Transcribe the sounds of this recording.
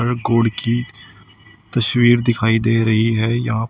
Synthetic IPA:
əɾɡoːɽki | t̪ɐswiːɾd̪ɪkʰaːid̪eːɾɐɦiɦɛːjɐɦã

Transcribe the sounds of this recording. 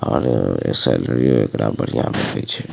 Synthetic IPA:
ɔːɾesɛləɾioekɾabəɽ̤ijãbẽt̪ʰəit͡ʃʰɛ

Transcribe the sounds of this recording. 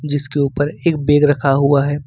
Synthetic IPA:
d͡ʒɪskeuːpəɾeːk̚beːɡɾɐkʰaɦuaɦɛː

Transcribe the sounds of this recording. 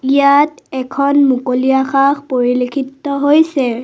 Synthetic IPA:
ijatɛkʰɔnmukoliaxakʰpoɹilekʰitːɔɦojsɛ

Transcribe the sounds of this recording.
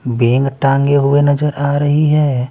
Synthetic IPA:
bẽːŋɡʈãːŋɡeɦʊenɐd͡ʒəɾaːɾɐɦiɦɛː

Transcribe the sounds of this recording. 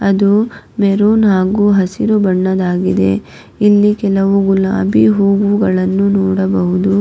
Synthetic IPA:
ɐd̪u | meɾuːnɦaːɡuːɦɐsiɾubɐɳːɐd̪aːɡid̪e̞̰ | ilːikɛlɐʋuɡula̰ːbiɦuːɡuɡɐɭɐnːunɔːɽɐbɐɦud̪u

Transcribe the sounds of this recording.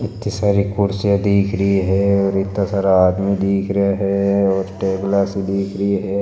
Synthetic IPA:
ɪt̪nisaːɾikʊɾsjad̪iːkʰɾəɦiɦɛɔːɾɪt̪ːasaːɾaaːd̪mid̪iːkʰɾɐaɦɛɔːɾʈeːblaːsid̪iːkʰɾəɦiɦɛː

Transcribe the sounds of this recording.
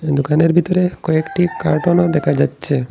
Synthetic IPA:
d̪ukaneɾbʱit̪oɾekɔekʈikaɾʈonad̪ɛkʰad͡ʑatːɕʰe

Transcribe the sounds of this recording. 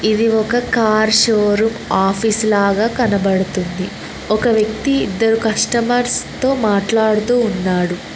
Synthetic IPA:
id̪iɔkɐkaːɾʃoːɾumaːpʰiːslaːɡaːkɐnɐbɐɽut̪und̪i | ɔkɐʋjɐk̚t̪ḭːd̪ːɐɾukɐʂʈɐmɐɾst̪o̞ːmaːʈlaːɽut̪uːnːaːɽu

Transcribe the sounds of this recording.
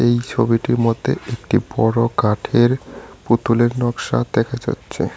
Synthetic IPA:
ejt͡ɕʰobiʈiɾmod̪ʱḛek̚ʈibɔɽokaʈʰeɾput̪uleɾnɔkʃad̪ɛkʰad͡ʑa̰tːɕʰḛ

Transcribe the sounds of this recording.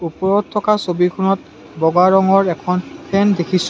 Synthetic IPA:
upɔɹɔt̚tʰːɔkasobikʰunɔt̚ | bɔɡaɹɔŋɔɹɛkʰɔnpʰɛndekʰis

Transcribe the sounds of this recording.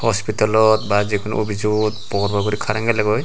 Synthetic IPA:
hɔspitalɔt̪bazikʰun̰ʔobʱid͡ʒut̪pɔkɔɾbaɡɔɾikʰaɾaŋɡalaɡɔj

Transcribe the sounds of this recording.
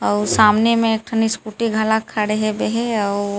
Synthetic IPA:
ɔːsaːmnemẽek̚ʈʰəniskuʈiɡʱalakʰːaɽeɦebeɦeɔː

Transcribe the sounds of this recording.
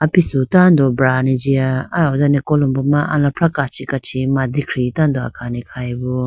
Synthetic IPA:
apisutand̪ɔbɾanid͡ʒiaaɔzanɛkɔlumbɔmaʔa̰lãpʰɾakat͡ʃikat͡ʃʰimad̪ikʰɾitand̪oa̰kʰanikʰajbɔ

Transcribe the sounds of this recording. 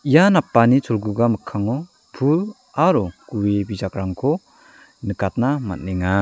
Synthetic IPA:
ijanapːanit͡ʃʰolɡuɡamɯkʰːaŋɔ | pʰul | aɾɔkuwibizakɾaŋkʰɔ | nɯkat̚nama̰t̚niŋa

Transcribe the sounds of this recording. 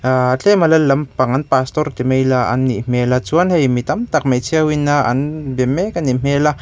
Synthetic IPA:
at͡ɬʰɛmalɐlɐmpaŋɐnpast̪ɔrt̪imejlaʔa̰nːiʔm̥elat͡suanhejmit̪ɐmt̪ɐk̚mejt͡sʰiawinːaʔa̰nbɛmekanim̥ela

